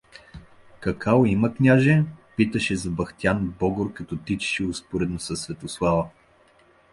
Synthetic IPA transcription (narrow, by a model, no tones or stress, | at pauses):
kɐkʰaoiməknʲaʒɛpit̪əʃɛzɐbɐxt̪ʲijanbɔɡoɾkɐt̪ɔt̪it͡ʃɛ̥ʃɛospoɾɛd̪nosɐsvɛt̪oslˠavə